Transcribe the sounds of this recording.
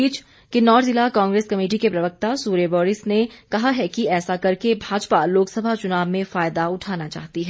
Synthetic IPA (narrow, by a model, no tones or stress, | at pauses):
iːt͡ʃ | kinɔːɾʰzɪlakãːŋɡɾeːskɐmeːʈ̬ikepɾɐʋək̚t̪asuːɾebɔːɾɪsnekɐɦaɦɛkiɛːsakɐɾkebʱaːd͡ʒpaloːksɐbʱat͡ʃʊnaːʋmẽfaːjd̪aʊʈʰaːnat͡ʃa̰ːɦt̪iɦɛː